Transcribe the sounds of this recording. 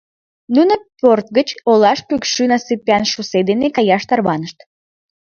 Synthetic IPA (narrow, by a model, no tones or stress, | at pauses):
nunoport̪̚ɡət͡ɕolɑʃpykʃynɑsɨpɑnʃused̪enekɑjɑʃt̪ɑrβɑnəʃt̪